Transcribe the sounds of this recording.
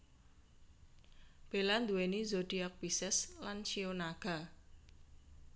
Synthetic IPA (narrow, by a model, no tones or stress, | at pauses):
b̥e̤land̪uwenizod̪̥iak̚bisɛslant͡ʃionaɡ̥a̤